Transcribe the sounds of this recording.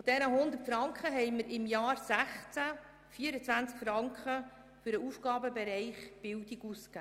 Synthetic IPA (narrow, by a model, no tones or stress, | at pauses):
fod̥̪ɛɾəɦʊnd̪ətfɾɑŋkχəɦɛjməɾɪmjɑːɾsæχt͡sæ | fiːəɾət͡sʋænt͡skfɾɑŋkχə | fʏɾəufɡ̥ɑːbəbɛɾɛɪχb̥ɪldiɡuskæ